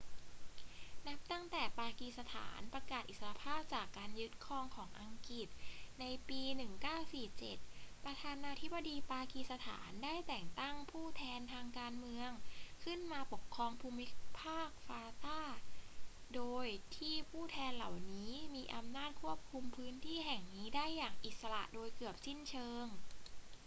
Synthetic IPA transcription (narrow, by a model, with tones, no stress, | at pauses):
na˦˥p̚t̪a˥˩ŋt̪ɛː˨˩paː˧kiː˨˧sa˧t̪ʰa̰ː˩˦npɾa˧kaː˨˩t̪̚ʔi˨˩sa˧a˧˥pʰaː˥˩p̚t͡ɕaː˨˩kːaː˧njɯ˦˥t̪̚kʰɔː˧ŋkʰɔː˩˦ŋʔa˧ŋki˨˩t̪̚na˧jpiː˧nɯ˨˩ŋkaː˥˩wsiː˨˩p̚t͡ɕe˨˩t̪̚pɾa˧t̪ʰaː˧naː˧t̪ʰi˦˥bːo˧diː˧paː˧kiː˧sa˧t̪ʰa̰ː˩˦ndaː˥˩jt̪ɛː˨˩ŋt̪a˥˩ŋpʰuː˥˩t̪ʰɛː˧nt̪ʰaː˧ŋkaː˧nmɯ˧əŋkʰɯ˥˩nmaː˧po˨˩kʰːɾɔː˧ŋpʰuː˧mi˦˥pʰaː˥˩k̚faː˧t̪aː˥˩ | doː˧jt̪ʰiː˥˩pʰuː˥˩t̪ʰɛː˧nla˨˩wniː˦˥miː˧ʔa˧mnaː˥˩t̪̚kʰu˥˩əp̚kʰu˧mpʰɯː˦˥nt̪ʰiː˥˩ɦɛ˨˩ŋniː˦˥daː˥˩jːaː˨˩ŋʔi˨˩t̪̚sa˧la̰˨˩ʔdoː˧jkɯ˨˩əp̚si˥˩nt͡ɕʰɤː˧ŋ